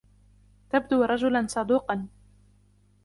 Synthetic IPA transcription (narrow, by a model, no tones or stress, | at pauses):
t̪ab̚d̪uːɾˤɑd͡ʒʊlansˤɑd̪uːqɑn